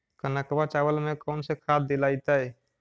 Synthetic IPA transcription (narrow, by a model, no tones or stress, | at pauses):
kənakəbat͡ʃabəlmekɔʊnsekʰad̪d̪elajt̪əj